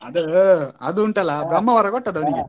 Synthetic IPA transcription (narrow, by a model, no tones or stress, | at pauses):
ɐd̪uɐd̪uuɳʈɐlːɐbɾɐmːɐʋɐɾɐkoʈːɐd̪ɐʋɐniɡe